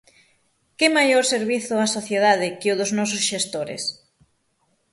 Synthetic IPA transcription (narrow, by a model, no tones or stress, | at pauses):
kɪmajoɾseɾβiθʊasoθjeðaðɪkɪʊðʊznɔs̬ʊsʃest̪oɾɪ̰s